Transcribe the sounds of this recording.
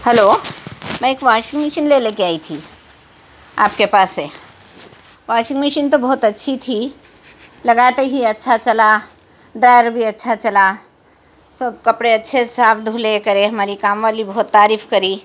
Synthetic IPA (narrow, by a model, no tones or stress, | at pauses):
həlomɛ̃ekʋaʃĩŋmiʃənlelekeaːit̪ʰi | a̰ːp̚kepaːse | ʋasĩŋmiʃənt̪obɔɦut̪ətːʃʰit̪ʰi | ləɡat̪eɦiətːʃʰat͡ʃəla | ɖɾajəɾbʱiətːʃʰat͡ʃəla | səb̚kəpɽeətːʃʰesapʰd̪ʱulekəɾeɦəmaːɾikamʋalibəɦut̪ːaːɾiːpʰkəɾi